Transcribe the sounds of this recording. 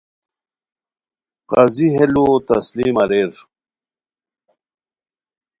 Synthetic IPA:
qɐziɦelut̪ɐsliːmɐɾeɾ

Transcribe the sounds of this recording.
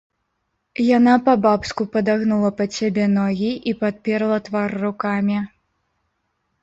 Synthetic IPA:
janapɐbapskupɐd̪aɣnulˠɐpɐsʲabʲɛnɔɣʲiʔipat̪̚pʲɛɾɐlˠɐt̪varːukamʲi

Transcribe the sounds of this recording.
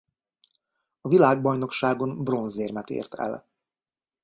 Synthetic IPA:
ɒvilaːɡ̚bɒjno̞kʃaːɡo̞nbro̞nzeːrmɛt̪ḛːrt̪ʰɛ̰l

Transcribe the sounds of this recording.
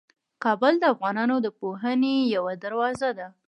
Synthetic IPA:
kɑbəld̪əafɣɑnɑnod̪əpoɦənejawad̪aɾwɑzad̪a

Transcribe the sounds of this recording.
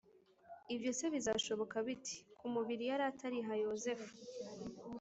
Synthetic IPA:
ibjo̞se̞βizaʃo̞βo̞kaβiti̥kumuβiɾijaɾatʰaɾiɦajoze̞fu̥

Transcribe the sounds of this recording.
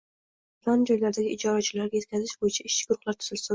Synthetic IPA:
pland͡ʒɒjlaɾd̪aɡʲɪɪd͡ʒɒɾat͡ʃʰɪlaɾɡʲaje̞t̪̚ʲkʲʰazɪʃbojɪt͡ʃʰaɪʃt͡ʃʰːɪ̥ɡ̥ʊɾʊχlaɾt̪ʰʊ̥z̥ɪlsɪ

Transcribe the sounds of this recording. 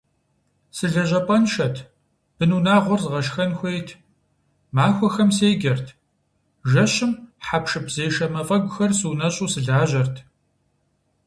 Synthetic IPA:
sɨɮɐʑʷɐpʼɐnʃɐtʰ | b̥ɨnuːnaːʁʷɔrzʁɐʃxɐnxʷeːjtʰ | maːxʷɔxɐmseːjɡʲɐrtʰ | ʒɐɕɪmħapʃɨpz̥eːjʃɐmɐfʼɐɡʷʼʊxɐrsɨːnɐɕʼuːsɨɮaːʑɐrtʰ

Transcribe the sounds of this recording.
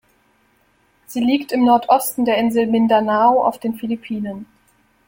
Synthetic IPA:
z̥iːliːktɪmnɔɐtʰʔɔstn̩deːɐʔɪnzl̩mɪndanaoa̰ʊfd̥eːnfilipʰiːnən

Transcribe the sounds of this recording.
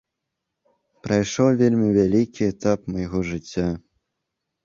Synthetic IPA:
pɾɐjʂɔwvʲelʲmʲivʲalʲikʲiɛt̪apmɐjɣɔʐɨt͡sʲːa

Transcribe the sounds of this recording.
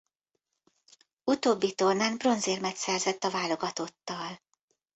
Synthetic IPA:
ut̪oːbːit̪o̞rnaːnbro̞nzeːrmɛt̪sɛrzɛt̪ːɒvaːlo̞ɡɒt̪o̞t̪ːɒl

